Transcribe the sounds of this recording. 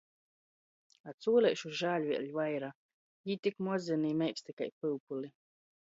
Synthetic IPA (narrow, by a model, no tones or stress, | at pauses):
at̪suːlʲɛʃuʒaːlʲvʲiɛ̰lʲvajɾa | jit̪ikmɔzʲɛniːmʲɛjkst̪ika̰jpɨwpuli